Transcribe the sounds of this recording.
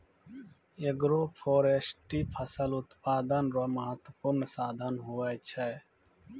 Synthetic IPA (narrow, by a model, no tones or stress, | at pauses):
eɡɾopʰoːɾesʈiːpʰəsəlʊt̪paːd̪ənɾoməɦət̪wəpuɾnsaːd̪ʱənɦuajt͡ʃʰɛː